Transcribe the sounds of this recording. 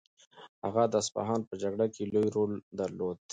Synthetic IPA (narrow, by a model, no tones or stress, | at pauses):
haɣad̪əaspa̰ɦɑnpəd͡ʒaɡɽakelojɾold̪aɾlod̪